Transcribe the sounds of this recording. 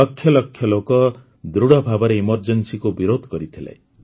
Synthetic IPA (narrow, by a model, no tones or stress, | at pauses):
ɔkʰːjɔlɔkʰjɔlokɔ | d̪ɾuɽɔbʱabɔɾeimɔɾd͡ʒɔnsikubiɾod̪ʱɔkɔɾit̪ʰila̰j